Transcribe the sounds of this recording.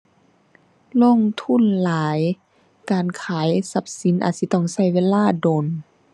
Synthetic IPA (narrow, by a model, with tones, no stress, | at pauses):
lo˧˥˨ŋt̪ʰu˧˥˨nlaː˨˦j | kaː˨nkʰaː˨˦jsa˧˦˥p̚si˨˦nʔa̰ː˨˩t̪si˧˦t̪ɔ˧˩˨ŋsa˧˩jweː˧˥˨laː˧˥˩doː˨n